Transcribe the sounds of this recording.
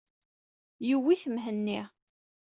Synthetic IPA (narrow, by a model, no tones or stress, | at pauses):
jiwːiθəmɦənːiʁ